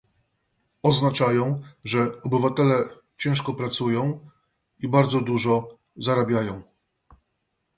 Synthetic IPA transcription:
ɔznat͡ʂajɔ̃w̃ʐɛɔbɘvat̪ɛlɛ | t͡ɕɛ̃w̃ʂkɔpɾat̪sujɔ̃w̃ | ibaɾd̪zɔd̪uʐɔ | zaɾabʲjajɔ̃w̃

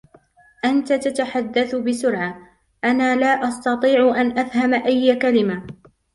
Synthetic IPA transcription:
ʔant̪at̪at̪aħad̪ːaθbɪsʊɾʕa | ʔanaːlaːʔɑst̪ɑt̪ˤiːʕʊʔanʔafhamaʔajːakalɪma

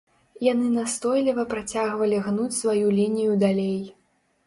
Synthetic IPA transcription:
janɨnast̪ɔjlʲivɐpɾat͡sʲaɣvɐlʲiɣnut͡sʲsvajulʲinʲijud̪alʲej

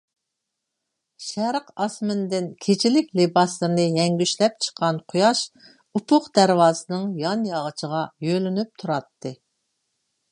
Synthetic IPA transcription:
ʃɛɾqɑsmɪnd̪ɪnkʲʰet͡ʃʰilɪkʲlebɑslˠɨɾɨnɨjɛŋɡʲyʃlɛp̚t͡ʃʰə̥qʰːɑnqʰojɑʃ | upʰʊqd̪æɾwɑːzɨnɨŋjɑnjɑʁət͡ʃʰəʁɑjølynyp̚t̪ʰuɾɑt̪ːɨ

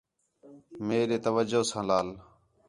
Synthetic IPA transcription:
meːɗeːt̪əʋəd͡ʒoːsãːlaːl

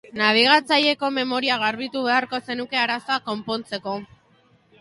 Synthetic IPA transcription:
naβ̞iɣ̞at͡saʎe̞ko̞me̞mo̞ɾiaɣ̞aɾβit̪uβe̞aɾko̞se̞nuke̞aɾaso̞ako̞mpo̞nt͡se̞ko̞

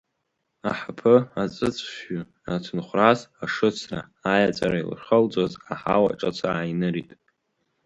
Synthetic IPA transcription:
aħapʰɨat͡sʼɨt͡sʷʰʼʃʏ | atʰɨnχʷrazaʂɨt͡sʰra̰ːjat͡sʼaɾail̰rχəld͡zozaħa̰wa̰ʈ͡ʂʼat͡sʷʰaːjnɨɾitʼ

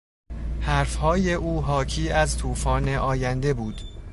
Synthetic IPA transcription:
hæɾfhɒːje̞ʔuːɦɒːcʰiːæzt̪ʰuːfɒːne̞ʔɒːjænd̪e̞buːd̪̥

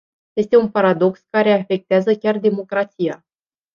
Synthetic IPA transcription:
je̞st̪e̞unpaɾad̪o̞kskaɾe̞afe̞k̚t̪eazəkʲard̪e̞mo̞kɾat̪sija

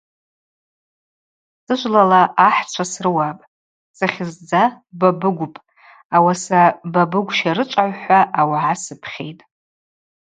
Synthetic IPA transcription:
sɨʒʷlalaːħt͡ʃʷʰasrɨwapʼ | saχʲɪzd͡za | babɨɡʷʊpʼ | awasababɨɡʷʃaɾɨt͡ʃʷʼaʕʷħʷaʔːwaʕasɨpʰχʲe̞̰jtʼ

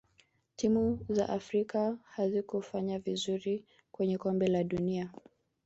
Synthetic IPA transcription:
timuza̰ʔafɾikahazikufaɲavizuɾi | kwɛɲɛkɔmbɛlaɗunia

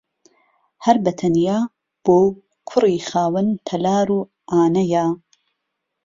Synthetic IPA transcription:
hɐɾbɐt̪ʰɐnjaː | b̥oː | kʰʊriːxaːwɨnt̪ʰɐlaːɾuː | ʔaːnɐjaː

